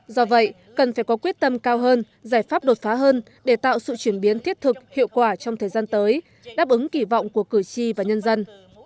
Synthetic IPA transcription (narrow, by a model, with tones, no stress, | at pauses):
zɔ˧və̰˧˨j | kə˨˩nfaː˧˩jkɔ˨˦kwi˦˥ət̚t̪ə˧mkaː˧wɦəː˧n | zaː˧˩jfaː˦˥p̚ɗo˨˩t̚faː˨˦ɦəː˧n | ɗe˧˩t̪a̰ː˧˨wsɨ̰˧˨t͡ɕwi˧˩ənɓi˨˦ənt̪ʰi˦˥ət̚t̪ʰɨ˨˩k̚hḭ˧˨əwkwaː˧˩t͡ɕɔ˧wŋ͡mt̪ʰəː˨˩zaː˧nt̪əː˨˦j | ɗaː˦˥p̚ʔɨ˨˦ŋki˧˩vɔ̰˧˨wŋ͡mku˧˩əkɨ˧˩t͡ɕi˧vaː˨˩ɲə˧nzə˧n